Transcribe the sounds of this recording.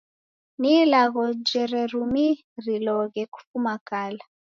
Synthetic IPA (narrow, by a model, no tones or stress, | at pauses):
nilaɣɔd͡ʒɛɾɛrumi | rilɔɣɛku̥fumakaːla